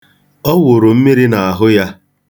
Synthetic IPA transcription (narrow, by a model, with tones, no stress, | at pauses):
ɔ˦wʊ˨ɾo˨m̩˦mi˦ɾi˦na˨a˨ɦʊ˦ja˦